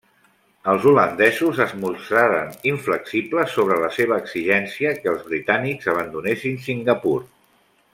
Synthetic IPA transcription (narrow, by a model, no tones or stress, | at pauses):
əlˠzulənd̪ɛzuzəzmusɾaɾə̰niɱfləksipləsoβ̞ɾələseβ̞əːksiʒɛnsiəkəːlˠzβɾit̪anikzəβ̞ənd̪unesinsiŋɡəpuɾ